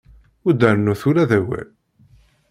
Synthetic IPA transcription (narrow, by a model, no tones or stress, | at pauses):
ʊd̪æɾənːuθuɾæðæwæ̰